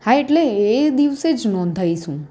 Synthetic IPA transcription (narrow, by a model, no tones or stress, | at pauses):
haeʈleːd̪iʋsed͡ʒnɔ̃nd̪ʱajʃũ